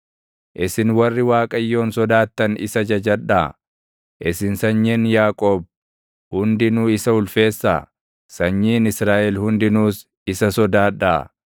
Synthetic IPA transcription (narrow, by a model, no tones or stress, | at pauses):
ʔɪsɪnwɐrːɪwaːkʼɐjːo̞ːnsɔd̪aːt̪ːɐnɪ̰sɐd͡ʒɐd͡ʒɐᶑaː | ʔɪsɪnsɐɲːɛnjaːkʼo̞ːb̚ | hʊnd̪ɪnuːɪsɐhʊlfe̞ːsːa̰ː | sɐɲːiːnɪsɾaːʔɛlhʊnd̪ɪnuːs | ɪsɐsɔd̪aːᶑaː